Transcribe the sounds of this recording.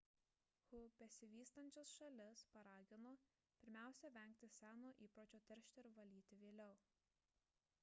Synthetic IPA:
hʊpʲɛsʲɪʋʲiːst̪ɐnʲt͡ʃʲosʃɐlʲɪspɐɾɑːɡʲɪnoː | pʲɪɾʲmʲæˑʊsʲɛʋʲɛˑŋʲk̚t̪ʲɪsʲæːnoːʔiːpɾoːt͡ʃʲoːt̪ʲɛɾʲʃʲt̪ʲɛɾʋɐlʲiːt̪ʲɪʋʲeːlʲɛʊ

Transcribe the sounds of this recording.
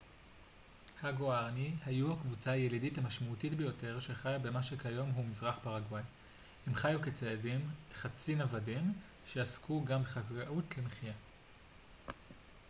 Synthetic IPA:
haɡoaʁnihajuhakvut͡saaje̞lidithamaʃmautitbejo̞te̞ʁʃe̞χajabe̞maʃekajo̞mɦumizʁaχpaʁaɡwaj | he̞mχajuket͡seadimχat͡sinavadim | ʃe̞askʰuɡambeχaɡaʔutlemeχija

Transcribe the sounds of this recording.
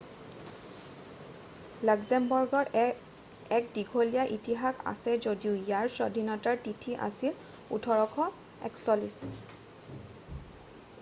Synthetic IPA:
lakzɛmbɔɹɡɔɹ | ɛk̚diɡʱolijaʔitiɦaka̰sɛzodiʊjaɹsɔdʱinɔtaɹtitʰiʔa̰sil | ṵtʰɔɹɔkʰɔ | ɛ̰ksɔlis

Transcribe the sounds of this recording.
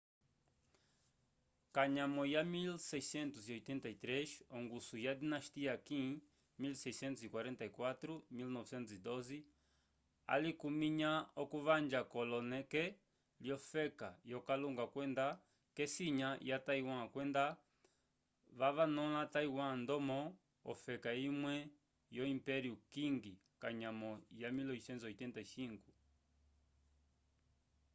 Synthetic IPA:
kaɲamɔjamilsɛisɛnt̪usiɔjt̪ɛnt̪ait̪ɾɛʃɔŋɡusujad̪inaʃt̪iakĩ | milsɛjsɛ̃nt̪usikwaɾɛnt̪aikwat̪ɾumilnɔvsɛ̃nt̪usid̪ɔzi | a̰likumiɲaɔkuβand͡ʒakɔlɔnɛkɛ | ljɔfɛkajɔkaluŋɡakwɛnda | kɛsiɲajataiwãkwɛnda | βaβanɔlataiwãndɔmɔ̰ː | fɛkaimwɛ | jɔimpɛɾiukiŋɡi | kaɲamɔjamilɔisɛnzɔitɛntaʃiŋɡu

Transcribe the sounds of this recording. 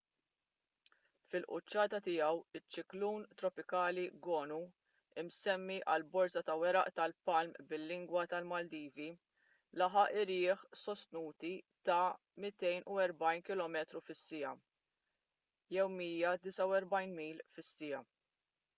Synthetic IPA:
fɪlʔʊ̰t͡ʃːɐːt̪ɐt̪ɪjɐwɪt͡ʃːɪkluːnt̪ɾɔpɪkɐːliɡɔːnu | ɪmsɛmːiʔɐ̰lbɔɾsɐt̪ɐwɛɾɐʔt̪ɐlpɐlmbɪlːɪŋɡwɐt̪ɐlmɐld̪iːvi | lɐħɐʔɪɾɪːħsɔst̪nuːt̪it̪ɐ | mɪt̪ɛjnuɛɾbɐjnkɪlɔːmɛːt̪ɾufɪsːɪjɐ | jɛwmiːjɐd̪ɪsɐwɛɾbɐjnmiːlfɪsːɪjɐ

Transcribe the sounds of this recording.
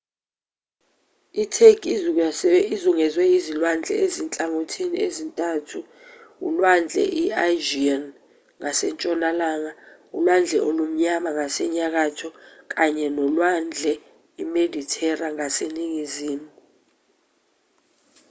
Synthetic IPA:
itʰekʰʼ | izuŋɛzwɛizilwand͡ɮʱɛ̰ezint͡ɬʼaŋotʰiniezintʼatʰu | ṵlwand͡ɮʱɛ̰ʔiaʒian | ŋasɛnt͡ʃʼɔnalaːŋaulwand͡ɮʱɛʔolom̩ɲamaŋasɛɲak̬atʰɔk̬ʼaɲɛnɔlwand͡ɮʱɛ | imedʱitʰɛraŋaseniŋiziːmuu

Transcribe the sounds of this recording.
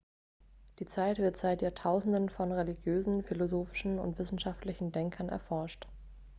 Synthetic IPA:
d̥iːt͡saɪtv̥ɪɐtz̥aɪtjaːɐtʰaʊzn̩dənfɔnʁeliɡjøːzn̩filozoːfɪ̥ʃn̩ʊ̰ntv̥ɪsn̩ʃaftlɪçn̩dɛŋkʰɐnʔɛ̰ɐfɔɐʃt

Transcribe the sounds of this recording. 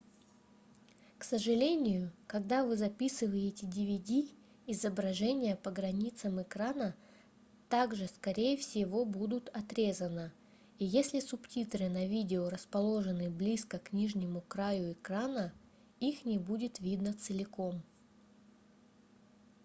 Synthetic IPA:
ksəʐɨlʲenʲɪjʊkɐɡd̪avɨzɐpʲisɨvəjɪtʲɪdʲɪvʲɪdʲiː | zəbɾɐʐɛnʲɪjəpəɡɾɐnʲit̪səmɪkɾanə | t̪aɡʐɨskɐɾʲejəfsʲɪvo̞bud̪ʊt̪ɐt̪ɾʲe̞zənə | ijesʲlʲɪsʊptʲit̪ɾɨnɐvʲidʲɪoɾəspɐlˠo̞ʐɨnɨblʲiskəknʲiʐnʲɪmʊkɾajʊɪkɾanə | ixnʲɪbudʲɪt̪vʲid̪nət̪sɨlʲɪko̞m

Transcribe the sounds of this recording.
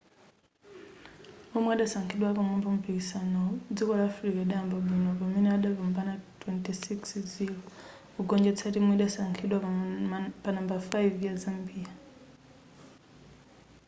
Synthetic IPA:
ɔmwɛaɗasaŋkʰiɗwapamɔmbɔm̩pikisanɔd͡zikɔlaːfɾikaɛɗaambaɓinɔkɔmɛnɛaɗavɔmbanatwɛntisiksziɾɔ | kuɡɔnd͡ʒɛt͡sʰatimuiɗasaŋkʰiɗwa | panambafajviazambiːa

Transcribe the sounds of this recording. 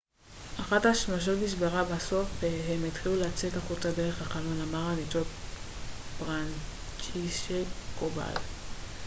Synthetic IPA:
ʔaχathaʃnoʃ̬o̞tmiʃ̬beʁabaso̞fɦemet̪χiluleat͡sekaχutadeʁeχhaχanonamaʁanitot̚ | b̥ʁan | t͡ʃiʃekoba̰l

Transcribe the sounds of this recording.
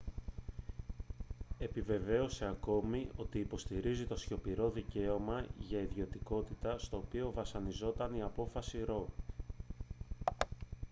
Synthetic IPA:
e̞pive̞ve̞o̞se̞ɐko̞mio̞t̪iːpo̞st̪iɾizit̪o̞sço̞piɾo̞ðice̞o̞mɐʝɐiðʝio̞t̪iko̞t̪it̪ɐst̪o̞ːpio̞vɐsɐnizo̞t̪ɐniɐpo̞fɐsiɾo̞

